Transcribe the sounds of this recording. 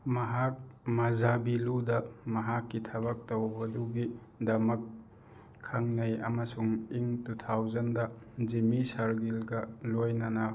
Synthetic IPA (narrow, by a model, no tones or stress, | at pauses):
mɐɦak̚mazabiludɐmɐɦakːitʰɐbɐk̚tɐwbɐduɡi | dɐmɐkʰː | aŋnɐjɐ̰mɐsuŋiŋtutʰawzɐndɐzimisɐɾɡilɡɐlojnɐnɐ